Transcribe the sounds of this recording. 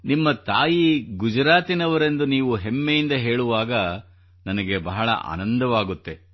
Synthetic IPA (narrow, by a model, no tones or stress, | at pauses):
nimːɐt̪aːjiɡud͡ʒɐɾaːt̪inɐʋɐɾe̞nd̪uniːʋuɦemːejind̪ɐɦe̞ːɭuʋaːɡɐ | nɐnɐɡe̞bɐɦɐɭɐ̰ʔa̰ːnɐnd̪ɐʋaːɡut̪ːe̞